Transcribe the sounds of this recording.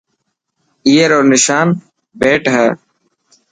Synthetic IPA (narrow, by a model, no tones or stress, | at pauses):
ijɐɾoːnɪʃaːn | beːʈɦɐ